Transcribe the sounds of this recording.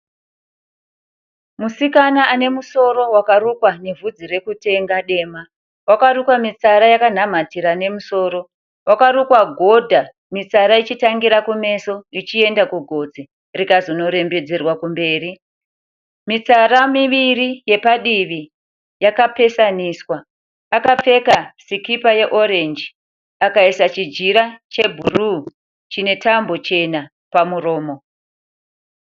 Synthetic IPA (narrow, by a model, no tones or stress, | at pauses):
musikanaʔane̞muso̞ɾo̞wakarukwane̞vʱud͡zire̞kute̞ŋɡaɗe̞ːma | wakarukwamit͡saɾajakan̤am̤atiɾane̞muso̞ːɾo̞ | wakaɾukwaɡʱo̞dʱa | mit͡saɾait͡ʃitaŋɡiɾakume̞so̞it͡ʃie̞ndakuɡʱo̞d͡zi | rikazono̞ɾe̞mbe̞d͡zerwakumbe̞ːri | mit͡saramiʋirije̞paɗiʋi | jakape̞saniswaː | kap͡fe̞kasikipaje̞ʔo̞ɾe̞nd͡ʒi | akaisat͡ʃid͡ʒiɾat͡ʃe̞bʱuru | t͡ʃine̞tambo̞t͡ʃe̞na | pamuro̞ːmo̞